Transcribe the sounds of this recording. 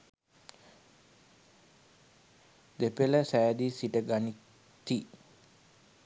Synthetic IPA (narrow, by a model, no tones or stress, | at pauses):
d̪epeləsaad̪isidəɡani | t̪i